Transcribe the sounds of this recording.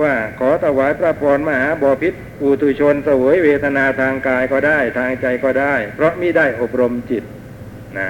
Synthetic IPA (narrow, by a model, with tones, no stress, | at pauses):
waː˥˩kʰɔː˩˦t̪ʰa˧˩waː˨˦jpɾa˧˩pʰɔː˧nmaː˧˩haː˩˦bɔː˨˩pʰi˦˥t̪̚ʔuː˨˩t̪ʰuː˧˩t͡ɕʰo˧nsa˧wɤ˩˦jweː˧t̪ʰa˧naː˧t̪ʰaː˧ŋkaː˧jkɔː˥˩daː˥˩jt̪ʰaː˧ŋt͡ɕa˧jkɔː˥˩daː˥˩jpʰɾɔ˦˥miː˥˩daː˥˩jʔo˨˩p̚ɾo˧mt͡ɕi˨˩t̪̚ | na˦˥